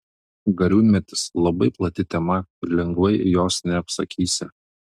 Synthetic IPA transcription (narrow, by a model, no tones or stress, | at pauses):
ɡɐɾʲuːmʲɛt̪ʲɪ̥slˠɐbɐɪplˠɐt̪ʲɪt̪ʲɛmɐɪɾlʲɛŋɡʋɐɪjoːsnʲɛɐpsɐkʲʰiːsʲɪ